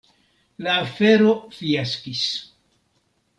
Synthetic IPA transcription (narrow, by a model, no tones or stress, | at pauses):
laːfe̞ɾo̞fiaskis